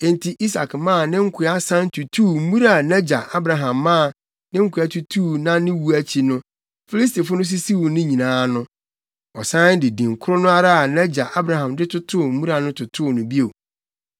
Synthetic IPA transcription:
ẽ˨n˨tʰi˨ʔi˦sa̰˨kmãː˦˨nɪ̃˦ŋ̩˦kʰɪ˨˦a˦sã˦n˦tʰu˨tʰuː˦˨m̩˦mũ˦ɾa˨nɛ˦d͡ʑa˨ʔa˦bɾa˨ɦã˨mːã˦˨ | nɪ̃˦ŋ̩˦kʰʷʊ˨˦a˦tʰu˨tʰu˦˨nã˦nɪ̃˦wu˨˦æ˦t͡ɕʰi˨nʊ̃˦ | fi˦li˦s̬ti˨fʊ˦nʊ̃˦s̬i˦si˦wʊ˨nɪ̃˦ɲĩ˨nãː˨˦nʊ̃˦ | ɔ˨sã˦ndɪ˨dĩ˨ŋ̩˨kʰʊ˦ɾʊ˦nʊ̃˦a˦ɾa˦a˨nã˦d͡ʑa˨ʔa˦bɾa˨ɦã˨mdɪ˦tʰʊ˦tʰʊ˦˨m̩˦mũ˦ɾa˨nʊ̃˦tʰʊ˨tʰʊ˦˨nʊ̃˨bi˦o˨

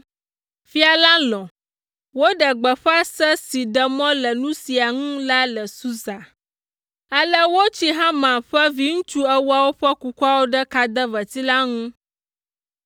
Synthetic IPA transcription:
fi˦a˨la˦lɔ̃˨ | wo˦ɖə˨ɡ͡bə˨ɸa˦sɛ˦si˨ɖə˨mɔ̃˦lə˨nũ˦si˨a˨ŋũ˦la˦lə˨su˦za˨ | ə˦lə˦wo˦t͡ɕi˦ɦã˦mã˨ɸə˦vi˦ŋũ˦t͡ʃu˦ɛ˦wu˦a˦wo˦ɸə˦ku˨ku˦a˦wo˦ɖə˦ka˨d̪ə˦və˨t̪i˦la˦ŋũ˦

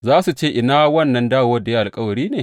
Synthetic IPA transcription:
zaː˦su˨t͡ʃeː˦ʔɪ˨naː˦wɐ˦nːɐ˦ndaː˦woː˦da˨ja˦ʔa˨lkʼɐ˦wɐ˨ɽiː˦neː˨

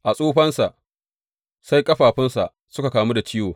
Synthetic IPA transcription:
ʔa˨sʼoː˦ɸɐ˦nsa˨ʔ | sa˦jkʼɐ˦ɸaː˨ɸɪ˦nsa˨ʔ | sʊ˦ka˨kaː˨mu˦da˨t͡ʃɪː˦woː˨

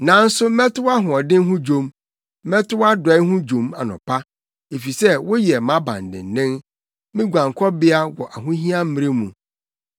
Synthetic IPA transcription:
nã˨˦n̩˦sʊ˦mɛ˦tʊ˦wa˦ɦʊ̃˨ɔ˨dɪ̃˦ŋ˦ɦʊ̃˦d͡ʑõ˦mː | ɛ˦tʊ˦a˦dɔ˨ɛ˦ɦʊ̃˦d͡ʑũ˨ma˨nʊ̰̃˨pʰa˦ | e˨fi˨sɛ˦wʊ˦jɛ˨mã˦bã̰˨n˨dɪ̰̃˨n̩˨nɪ̃˦n | mɪ̃˦ɡʷã˨ŋ˨kʰɔ˦bɪ˦a˦wɔ˨ʔa˨ɦʊ̃˦ɦĩ˦ã˦m̩˦mĩ˦ɾe˦mũ˨

